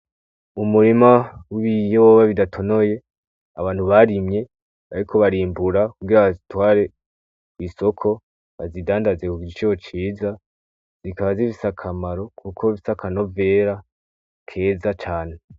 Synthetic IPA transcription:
umuɾimawiβijowoβaβidatʰo̞no̞je̞ | aβaːn̥huβaɾimɲe̞ | aɾikʰo̞βaɾiːmbuɾakuɡiɾaβazitwaːɾe̞ | iso̞kʰo̞ | βazidaːndazekuɡiit͡ʃijo̞t͡ʃiza | zikaβaziβisakʰamaɾo̞kʰukʰo̞iβisakʰano̞ve̞ːɾa | kʰe̞ːzat͡ʃaːne̞

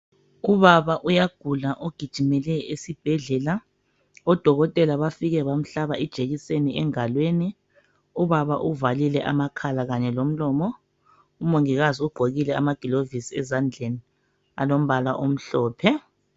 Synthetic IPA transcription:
uβaβaʔujaɡ̥ʱulaʔoɡ̥ʱid̥ʒ̥ʱimɛlɛesib̥ʱɛɮɛla | ɔd̥ʱɔɣɔtʼɛlaβafiɣɛβam̩ɬaβaɛd̥ʒ̥ʱeɣiseniɛŋalweːni | uβaβa̰ʔuvalilɛʔa̰makʰalaɣaɲɛlom̩lɔmɔ | umoŋiɣaziuɡ͡ǃʱoɣilɛa̰maɡ̥ʱilovisiɛzand͡ɮʱeni | a̰lom̩βalaʔom̩ɬɔːpʰɛ

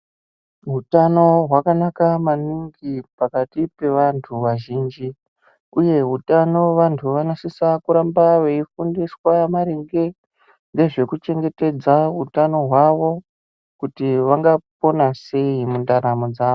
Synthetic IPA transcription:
ɦutano̞ɦwakanakamaniŋɡipakatipe̞ʋantʰuʋaʒiːnd͡ʒi | uje̞ɦutano̞ʋantʰuʋanosisakuɾambaʋeifundiswamaɾeŋɡe̞ | nɡe̞ʐe̞kut͡ʃe̞ŋɡe̞te̞d͡zaɦutano̞ɦwaʋo̞ | kutiʋaŋɡap̚o̞nase̞imundaɾamod͡zaːʋo

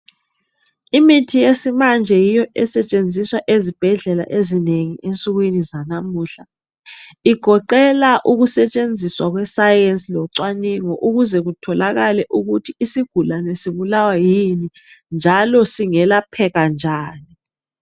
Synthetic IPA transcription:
imitʰijesimand͡ʒʱɛjijɔʔɛsɛt͡ʃʼend͡zʱiswaʔezib̥ʱɛɮɛla̰ʔezineŋiʔent͡sʼuɣwinizanamuːɬa | iɡ̥ʱɔǃɛlaʔuɣusɛt͡ʃʼend͡zʱiswaɣwɛsajɛnsʼilɔǀwaniŋɔʔuɣuzɛɣutʰɔlaɣalɛʔuɣutʰiːsiɡ̥ʱulanɛsiβulawajini | nd͡ʒʱalɔsiŋɛlapʰɛɣand͡ʒʱaːni

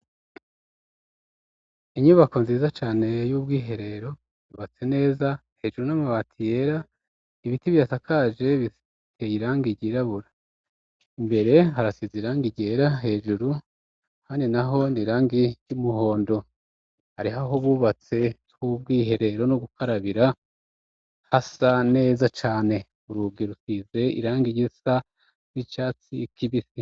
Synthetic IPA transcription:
iɲuːβako̞nziːzat͡ʃaːne̞juːb̚ɡiːɦe̞ɾe̞ɾo̞ | juːβat͡se̞ne̞ːza | he̞ːʒuɾunamaβatʰije̞ɾa | iβitiβjatakʰaʒe̞βi | tejiɾaːŋɡiɟiɾaβuɾa | imbe̞ɾe̞ɦaɾasiziɾaːŋɡiɟeɾaɦe̞ːʒuɾu | haɲinaɦo̞niɾaːŋɡiɟumuho̞ːndo̞ | haɾiɦaɦoβuːβat͡se̞ | kuβ̚ɡiːɦe̞ɾe̞ɾo̞nuɡukʰaɾaβiɾa | hasane̞ːzat͡ʃaːne̞ | uɾubɡiɾusize̞ḭɾaːŋɡiɟisa | nit͡ʃaːt͡sikiβisi

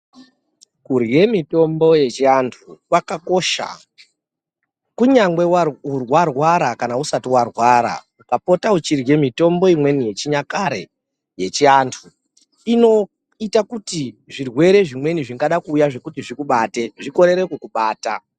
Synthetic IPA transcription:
kurje̞mito̞mbo̞je̞t͡ʃiantʰukwakako̞ʃa̰ | kuɲaŋɡwe̞aurwarwaɾakanausatiwarwaɾa̰ | ukapo̞taut͡ʃirje̞mito̞mbo̞imwe̞nije̞t͡ʃiɲakaɾe̞̰ | je̞t͡ʃiantʰu | ino̞ | itakutiʐirwe̞ɾe̞ʐimwe̞niʐiŋɡaɗakuːjaʐe̞kutiʐikuɓaːte̞ʐiko̞ɾe̞ɾekwekuɓaːta

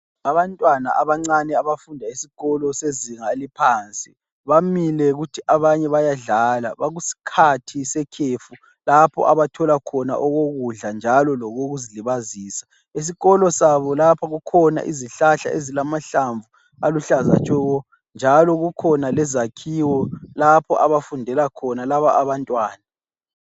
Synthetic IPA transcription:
aβantʼwana̰ʔaβaŋ͡ǀanɛaβafundʱaisi̥ɣɔlɔseziŋalipʰaːnt͡sʼi | βamilɛɣutʰiʔaβaɲɛβajaɮaːlaβaɣusi̥kʰatʰisɛkʰefu | lapʰɔ̰ʔaβatʰɔlakʰɔna̰ʔɔɣoɣuɮand͡ʒʱalɔlɔɣoɣuziliβaziːsḁ | es̬iɣɔlɔsaβɔlapʰaɣukʰɔna̰ʔḭziɬaɬa̰ʔezilamaɬaɱvu | aluɬaza̰t͡ʃʼɛɣɔ | nd͡ʒʱalɔɣukʰɔnalɛzakʰiwɔlapʰɔʔaβafundʱɛlakʰɔnalaβaʔːβantʼwaːna

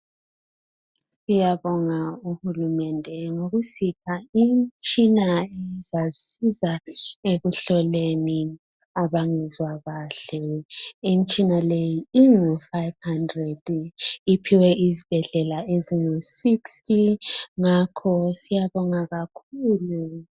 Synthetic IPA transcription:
sijaβɔŋauhulumɛndʱɛŋoɣusipʰaim̩t͡ʃʼinaɛzasizaeɣuɬɔleni | aβaŋɛzwaɣaɬɛim̩t͡ʃʼinalejiiŋifaivhandrɛd̥ipʰiwɛʔizib̥ʱɛɮɛlaeziŋosikstiŋakʰɔsijaβɔŋaɣakʰuːlu

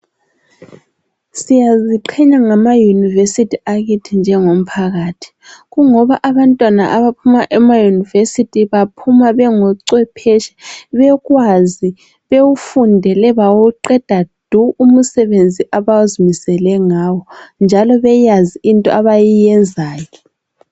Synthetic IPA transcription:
sijaziǃʰɛɲaŋamajunivesitʰiaɣitʰind͡ʒʱɛŋom̩pʰaɣaːtʰi̥ɣuŋɔβaʔaβantʼwanaʔaβapʰumaʔɛmajunivesitʰiβapʰumaβɛŋɔǀwɛpʰɛʃɛ̥βɛɣwazi | βewufundʱɛlɛβawuǃɛd̥ʱad̥ʱuum̩sɛβend͡zʱiʔaβawuzimisɛlɛŋaːwɔnd͡ʒʱalɔβɛjaziʔintʼɔ̰aβajijɛnd͡zʱaːɣɛ

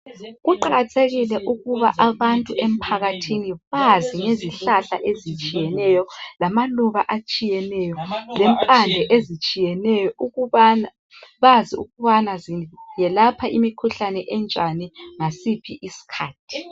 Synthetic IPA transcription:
ɣuǃaɣatʰeɣilɛʔuɣuβa̰ʔaβantʼuʔem̩pʰaɣatʰiniβaziŋeziɬaɬa̰ʔezit͡ʃʼijɛnɛjɔlamaluβaʔat͡ʃʼijɛnɛjɔlɛmpʼand͡ɮʱɛʔezit͡ʃʼijɛnɛjɔuɣuana | βaziṵɣuβanazijɛlapʰaʔimikʰuɬanɛʔɛnt͡ʃʼaniŋasipʰiʔisi̥kʰa̰ːtʰi̥

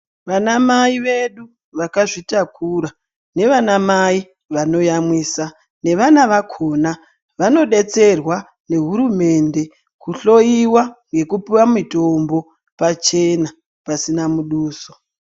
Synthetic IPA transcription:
ʋanamaiʋe̞ɗu | ʋakaʐitakuɾa | ne̞ʋanamai | ʋano̞jamwiːsa | ne̞ʋanaʋakʰona | ʋano̞ɗe̞t͡se̞rwa | ne̞ɦuɾume̞nde̞ | kuɬo̞iwaŋɡe̞kupiwamitombo̞ | pat͡ʃe̞na | pasinamuɗuːso̥

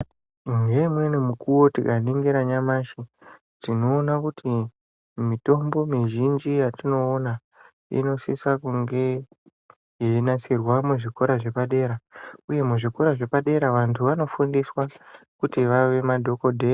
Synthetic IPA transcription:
ŋɡe̞mwe̞nimukuwo̞tikaniŋɡiɾaɲamaʃi | tino̞ːnakuti | mito̞mbo̞miʒind͡ʒijatino̞ːna | ḭno̞sisakuŋɡe̞ | jeinasirwamuʐiko̞ɾaʐe̞paɗe̞ːɾauje̞muʐiko̞ɾaʐe̞paɗe̞ɾaʋantʰuʋano̞fundiswa | kutiʋaʋe̞madʱo̞ko̞dʱe

